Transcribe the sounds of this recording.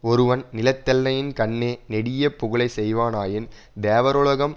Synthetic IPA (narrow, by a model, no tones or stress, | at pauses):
ɔɾɯʋɐnnɪlɐt̪ːɐlːɐjɪnkɐɳːeːnɛɽɪjɐpːʊɣɯlɐɪsɛjʋaːnaːjɪn | d̪eːʋɐɾɔɭɐɣɐm